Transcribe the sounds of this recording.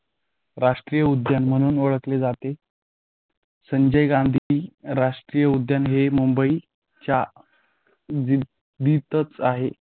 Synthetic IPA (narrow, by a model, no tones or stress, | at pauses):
ɾaʂʈɾijəud̪janm̤əɽ̃uːnoɭəkled͡zat̪e | səɲd͡ʑəjɡãnd̪ʱiɾaʂʈɾiːjəud̪janɦemumbəi | t͡ɕja | d̪it̪ət͡saɦe